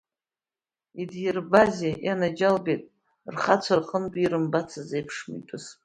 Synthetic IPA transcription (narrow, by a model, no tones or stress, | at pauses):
idjɪrbazejanad͡ʒalbejtʼ | rχat͡sʷʰarqʼəntʷʼiɾɨmbat͡sʰazejpʰʂmḭtʷʼʊz